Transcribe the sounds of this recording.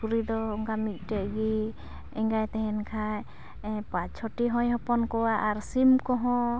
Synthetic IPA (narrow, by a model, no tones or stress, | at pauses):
uɾid̪ɔɔŋɡamit̪̚ˀʈɛʔɡi | ɛŋɡajt̪ɛɦɛnkʰaj | pat͡ʃt͡ʃʰɔʈiɦɔ̃jɦɔpɔnkɔwaʔaɾsimkɔɦɔ̃